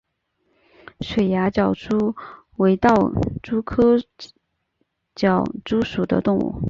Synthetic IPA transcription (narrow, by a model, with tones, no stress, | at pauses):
ʂwe˨˩ɪja˧˥t͡ɕjɑ˨˩ʊʈ͡ʂʰu˥ | we˧˥ɪt̪ɑ˥˩ʊʈ͡ʂu˥kʰɤ˥ | t͡ɕjɑ˨˩ʊʈ͡ʂu˥ʂu˨˩d̪ə̰˦t̪ʊ˥˧ŋṵ˥˩